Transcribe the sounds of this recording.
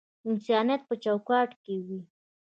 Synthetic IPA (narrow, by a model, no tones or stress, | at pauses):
ɪnsjaːnat̪̚pət͡ʃawkaːʈkiwi